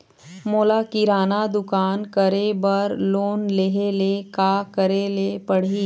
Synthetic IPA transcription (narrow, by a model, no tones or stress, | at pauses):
moːlakiɾaːnad̪ʊkaːnkɐɾebɐɾloːnleɦelekaːkɐɾelepɐɽ̤iː